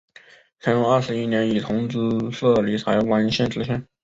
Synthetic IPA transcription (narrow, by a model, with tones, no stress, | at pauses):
t͡sʰa˧˥jo˧˥˦ɐ˞˥˩ʂɻ̩˧˥i˥njɛ˧˥ni˨˩t̪ʰʊ˧˥ŋt͡sɹ̩˥ʂɤ˥˩li˧˥˩t͡sʰa˧˥ɪwa˧˥n˧ɕɛ˥˩nʈ͡ʂɻ̩˧˥ɕʰjɛ˥˩n